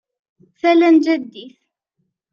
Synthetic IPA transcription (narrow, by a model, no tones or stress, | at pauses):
θælænd͡ʒæd̪ːiθ